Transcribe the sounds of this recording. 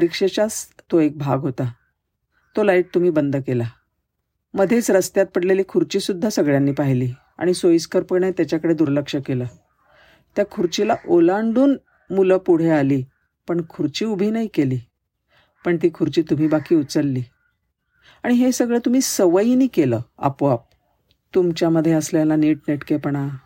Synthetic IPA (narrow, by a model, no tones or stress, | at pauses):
ɾikʂet͡ɕast̪oek̚bʱaɡɦot̪a | t̪olaiʈ̚t̪um̤iːbənd̪ʱkela | məd̪ʱet͡sɾəst̪jat̪̚pəɽleliːkʰuɾt͡ɕiːsud̪ʱːasəɡɭjanːiːpaɦiliː | a̰ɽ̃isoiskəɾpəɳet̪jat͡ɕjakəɽed̪uɾləkʂəkeləː | t̪jakʰuɾt͡ɕilaʔolaɳɖuːn | muləpuɽ̤ealiː | pəɳkʰuɾt͡ɕiːubʱiːnaikeliː | pəɳt̪̬iːkʰuɾt͡ɕiːt̪um̤iːbakiːut͡səlːiː | aɽ̃iɦesəɡɭet̪um̤iːsəʋəjiniːkeləːa̰poʋap̚ | t̪umt͡ɕjaməd̪ʱːjeəsljalaneʈ̚neʈkepəɳa